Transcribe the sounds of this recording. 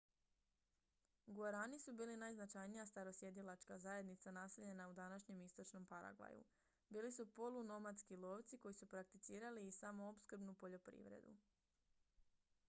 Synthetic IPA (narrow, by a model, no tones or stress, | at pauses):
ɡuaɾanisubiːlinajznat͡ʃajnijast̪aɾo̞sje̞d̪ilˠat͡ʃkazaje̞d̪nit̪sanase̞ʎe̞naud̪anaʃɲe̞mist̪o̞t͡ʃno̞mpaɾa̰ɡʋa̰jṵ | biːlisupo̞luno̞mat̪skilˠo̞ːʋt̪siko̞jisupɾak̚t̪it̪siːɾaliːsamoopskr̩bnupo̞ʎo̞pɾḭʋɾḛd̪ṵ